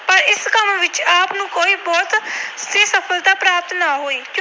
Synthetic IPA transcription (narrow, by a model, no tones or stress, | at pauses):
pəɾɪskəmʋɪt͡ʃaːpnũːkoːiːbɔːt̪seːsəpʰəlt̪aːpɾaːp̚t̪naːɦoːiːk